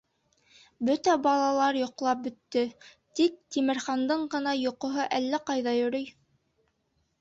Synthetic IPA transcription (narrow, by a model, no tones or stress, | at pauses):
bɵt̪æbɑlˠɑlˠɑɾjŏqlˠɑp̚bɵ̆t̪ːɵ | t̪ik̚t̪imɘ̆ɾχɑnd̪ɤɴɢɤ̆nɑjŏqŏɦɤʔælːæqɑjðɑjɵ̆ɾɵj